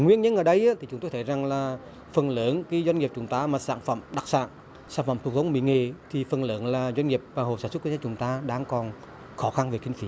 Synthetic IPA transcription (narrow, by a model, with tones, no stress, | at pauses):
ŋwḭ˧ənɲə˧˦nʔəː˧˩ɗə˧jʔaː˧˥t̪ʰi˨˩t͡ɕʊ˦ŋ͡mt̪o˧jt̪ʰə˧˩jza˨˩ŋlaː˨˩ | fə˨˩nləː˧˨˦nki˨˦zwa˧ŋŋi˨˩əp̚t͡ɕʊ˨˦ŋ͡mt̪aː˧maː˨˩sa̰ː˧˥˨nfə̰˧˨mɗa˨˩k̚sa̰ː˧˨n | saː˧˩nfə˧˨mt̪u˨˩k̚t̪ʰə˦wɓḭ˧˨ŋe˨˩t̪ʰi˨˩fə˨˩nlə̰ː˧˨˦nlaː˨˩zwa˧ŋ̟ŋi˨˩əp̚vaː˨˩ɦo̰˨˩saː˧˩nsw̚kwa˧˦t͡ɕʊ˨˦ŋ͡mt̪aː˧ɗaː˧ŋkɔ˨˩n | xɔ˨˦xa˧nve˨˩kï˧˦ŋ̟fi˨˦